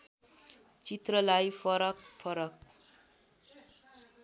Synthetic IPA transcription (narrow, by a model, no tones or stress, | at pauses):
t͡sit̪rʌlajpʰʌɾʌk̚pʰʌɾʌk̚